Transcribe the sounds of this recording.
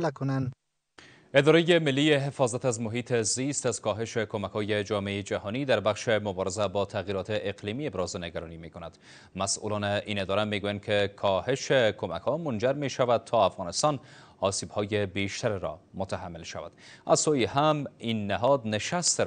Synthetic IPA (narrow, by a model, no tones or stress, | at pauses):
lakʊnan | ɪd̪ɒɾajemɪlːieɦefɒzat̪azmʊɦit̪ʰezist̪azkɒɦɪʃekomakhɔjed͡ʒɒmeeed͡ʒahɔnid̪aɾbaxʃemʊbɒɾɪzabɒt̪ʰaɣiɾɒt̪eʔːqlimiebɾɒzneɡaɾɔnimekonad̪ | masʔṵlɔneʔined̪ɒɾameɡujankʰekʰɒheʃekʰoma̰khɔmʊnd͡ʒaɾmeʃavad̪̚t̪ʰɒafɣɑnɪst̪ɒn | ɒsibhɔjebeʃt̪ʰaɾɾɔ̰mʊt̪aɦamːɪlʃa̰va̰d̪̥azsojihaminːɪɦɒd̪̚nɪʃast̪